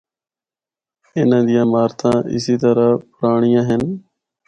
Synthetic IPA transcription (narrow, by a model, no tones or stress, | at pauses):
ɪnãːd̪ɪjãːmaːɾt̪ʰãːʔɪ̰siːt̪əɾaːpʊɾaːɳɪjãːɦɪn